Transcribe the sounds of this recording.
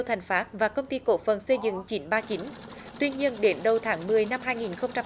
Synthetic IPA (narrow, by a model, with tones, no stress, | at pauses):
wt̪ʰa˨˩ŋ̟faː˨˦˥t̚vaː˨˩kə˧wŋ͡mt̪i˧ko̰˧˥fə˨˩nsə˧jzɨ̰˧˨ŋt͡ɕi˨˦nɓaː˧t͡ɕi˨˦nt̪wi˧ɲi˧ənɗe˨˦nɗə˨˩wt̪ʰaː˨˦ŋmɨ˨˩əjna˧mɦaː˧jŋi˨˩nxə˧wŋ͡mt͡ɕa˧